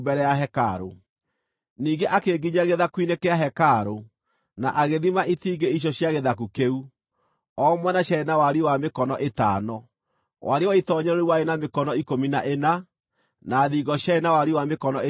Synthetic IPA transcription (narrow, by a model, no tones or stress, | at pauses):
bɛɾɛjaɦɛkaɾo̰ | niːɡeʔakeɡiɲaɣeðakwinekɛaɦɛkaɾo | naʔaɣeðimaitiːɡeiɕ̬jɔɕjaɣeðakukeu | ɔmwɛnaɕjaenawaɾiwamekɔnɔʔetanɔ | wʔa̰ɾewaitɔɲɛɾɔuwaenamekɔnɔikominaʔena | naðiɡɔɕjaenawaɾiwamekɔnɔ